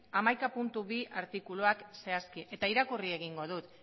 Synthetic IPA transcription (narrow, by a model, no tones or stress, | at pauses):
amajkapunt̪uβiaɾt̪ikuloakse̞askiʔe̞t̪aiɾakurie̞ɣ̞iŋɡo̞ðut̪